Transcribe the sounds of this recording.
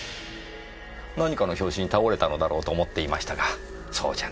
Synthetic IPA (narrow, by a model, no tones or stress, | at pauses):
naɲ̟ikano̞çʲo̞ːɕĩɲ̟ːit̪ao̞ɾe̞t̪ano̞d̪aɾo̞ːt̪o̞ːmo̞t̪ːe̞imaɕi̥t̪aɡa | so̞̰ːd͡ʑa